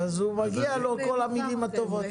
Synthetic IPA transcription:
azhumaɡialo̞ko̞lamilimat̪o̞vo̞t̪

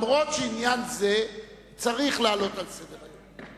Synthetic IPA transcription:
mʁo̞tʃeinjanze | t͡saʁiχlaaːlo̞t̪alsedeʁajom

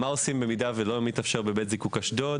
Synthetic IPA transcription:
maosimbe̞midavelomit̪afʃeʁbebet̪zikukaʃdo

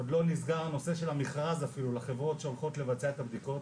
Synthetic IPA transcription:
od̪lo̞nizɡaʁno̞se̞ʃe̞lhamiχʁazafilulaχe̞vʁo̞tʃeo̞lχo̞t̪le̞vat͡seaet̪habd̪iko̞t

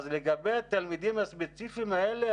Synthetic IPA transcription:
zleɡabejat̪almid̪imhaspet͡sifimaele

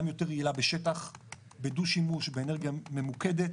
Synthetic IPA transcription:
amjo̞teʁiilabeʃetaχ | beduʃimuʃbeeneʁɡijame̞muked̪et̪

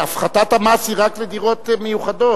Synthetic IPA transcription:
afχat̪at̪hamashiʁakled̪iʁo̞t̪mejuχado̞

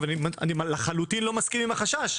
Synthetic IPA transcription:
veanima̰nimlaχalut̪inlo̞maskinimaχaʃaʃ

